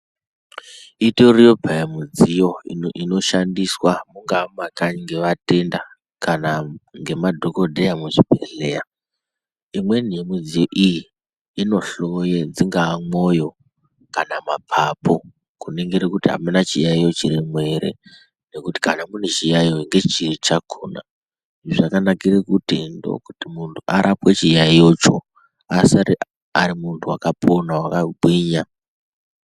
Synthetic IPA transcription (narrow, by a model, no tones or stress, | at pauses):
itorijo̞bʱaamud͡zijo̞iino̞ʃandiswamuŋɡamakaɲiŋɡe̞ʋate̞nda | kanaŋɡe̞madʱo̞ko̞dʱejamuʐibʱe̞ɬe̞a | imwe̞niemud͡zijo̞ʔijiː | no̞ɬojed͡ziŋɡaːmo̞jo̞ | kanamapʰapo | kuneŋɡeɾekutiɦa̰menat͡ʃijaio̞t͡ʃiɾimwe̞ɾe̞̰ | ne̞kuti̥kanamune̞t͡ʃijaijoŋɡe̞t͡ʃirit͡ʃakʰoːna̰ | ʐakanakirekutindo̞̰kutimuntʰuʔaɾʔapwet͡ʃijaijot͡ʃo̰ | asaɾi | aɾimuntʰuwakapʰo̞nawakaɡʱwiːɲa